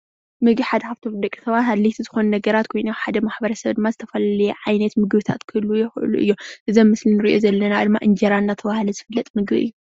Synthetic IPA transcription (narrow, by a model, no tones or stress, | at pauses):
mɨɡbiħad̪ɐħaft̪ʰowd̪ɐkʼi̥t̪ʰɐβaɦɨlːit̪ʰizɨxo̞nunɐɡɐɾat̪kʰo̞jnuħad̪ɐmaħbɐɾɐsɐβd̪ɨmːazɨt̪ʰɐfɐlalɐjɛʕajnɐt̪mɨɡβɨt̪ʰa̰t̪kʰɨlujɛxʔɨ̰luʔɨ̰jːoʔɨzɐmːɨslinɨɾiʔo̞zɐlːɐnad̪ɨmːa̰ʔɨnd͡ʒɐɾanːat̪ʰɐβahlɐzɨfɨlːɐt̪ʼmɨɡbḭɨ̰jːo